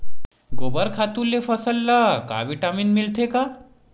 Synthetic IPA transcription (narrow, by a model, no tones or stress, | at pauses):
ɡobəɾkʰat̪ulːefəsəlːəka̰ʋiʈaminmilt̪ʰeka